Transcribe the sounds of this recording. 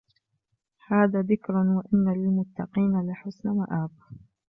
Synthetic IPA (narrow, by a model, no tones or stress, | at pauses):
haːðaːðɪkɾʊwaʔɪnːalɪlmʊt̪ːɑqiːnalɪħʊsnawa̰ʔaːb